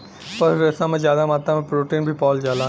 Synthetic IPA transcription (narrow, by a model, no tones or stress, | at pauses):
pɐɾʋesãːmẽzjaːd̪amaːt̪ãmẽpɾoːʈiːnbʱipɔːld͡ʒaːlaː